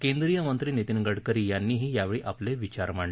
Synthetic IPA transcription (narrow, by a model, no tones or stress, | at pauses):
kẽnd̪ɾijəmənt̪ɾiːnet̪inɡəɽkəɾiːjanːiːɦiːjaʋeɭiːʔapleʋit͡ɕaɾm̤aɳl